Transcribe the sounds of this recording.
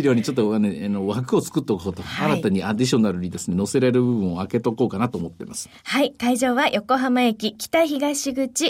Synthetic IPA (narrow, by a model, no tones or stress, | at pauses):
ɾʲjo̞ːɲ̟it͡ɕo̞t̪ːoaneanoβakɯ̟o̞t͡sɨ̥kɯ̟t̪ːeokɯot̪oaɾat̪aɲ̟iad̪ʲiɕo̞naɾɯ̟ɲ̟id̪e̞sɨne̞no̞seɾaɾɯ̟bɯ̟bɯ̟̃o̞ake̞t̪o̞koːkanat̪oːmo̞t̪ːe̞̰masɨ̥ | haikaiʑo̞ːβajo̞ko̞ɦamaekʲikʲi̥t̪açiɡaɕiɡɯ̟t͡ɕi